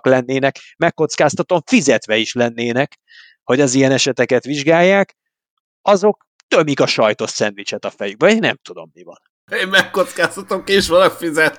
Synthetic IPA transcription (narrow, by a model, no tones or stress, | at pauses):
klɛnːeːnɛkmɛkːo̞t̪skaːst̪ɒt̪oɱfizɛt̪ʋɛiʃlɛnːeːnɛk | ho̞ɟɒzijɛnɛʃɛt̪ɛkɛt̪ʋiʒɡaːjːaːk | ɒzo̞k̚ | t̪ømikɒʃɒjt̪o̞ssɛnt̪ʋit͡ʃɛt̪ɒfɛjyɡ̚bɛnɛ̰mt̪ud̪o̞̰mːivɒ̰n | eːmɛkːot̪skaːst̪ɒt̪omkiʃʋɒlɒkfizɛt̪